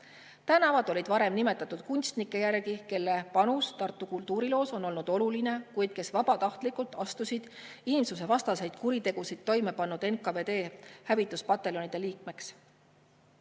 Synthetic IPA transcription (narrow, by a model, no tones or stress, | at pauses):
t̪ænɑvɑd̪̥o̞lʲid̪̥vɑɾe̞mnime̞t̪ːˑɑt̪ːud̪̥kunʲst̪nikːˑe̞jærɡike̞lːe̞pɑnust̪ɑrt̪ːˑukult̪ːˑuːɾilo̞ːso̞no̞lnud̪̥o̞luline̞kujd̪̥̚ke̞svɑb̥ɑt̪ɑht̪likːˑult̪ːˑɑst̪usid̪̥inʲimsus̬e̞vɑst̪ɑse̞jd̪̥kuɾit̪e̞ɡ̥usid̪̥t̪ːo̞jme̞pɑnːud̪e̞nkɑve̞ːd̪e̞ːhævit̪ːˑuspɑt̪ːe̞lo̞nid̪̥e̞liːkme̞ks